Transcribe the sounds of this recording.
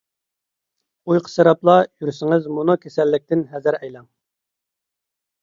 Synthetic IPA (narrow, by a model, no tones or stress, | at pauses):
ujqʰə̥seɾɑplˠɑjyɾsɪŋɪzmunukʲʰesɛlːɪk̚ʲt̪ʰɪnɦɛzɪɾɛjlɑm